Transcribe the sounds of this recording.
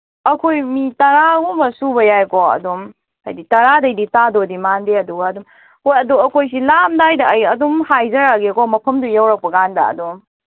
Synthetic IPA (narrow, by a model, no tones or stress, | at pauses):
ɐkʰojmitɐɾaɡumɐsubɐjajkɔɐ̰dum | a̰jditɐɾadɐjditadodimandeɐduɡɐːdum | hojɐduɐkʰojs̬ilamdajdɐːjɐdumhajzɐɾaɡikɔmɐpʰɐmdujawɾɐk̚pɐɡandɐ̰ɐ̰dum